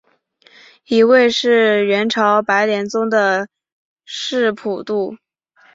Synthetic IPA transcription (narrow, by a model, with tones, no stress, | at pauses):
i˧˥we˥˧ɪʂɻ̩˥˩ɥɛ˧˥nʈ͡ʂʰɑ˧˥ʊpa˧˥ɪljɛ˧˥nt͡sʊ˥ŋd̪ə˨ | ʂɻ̩˥˩pʰu˨˩t̪u˥˩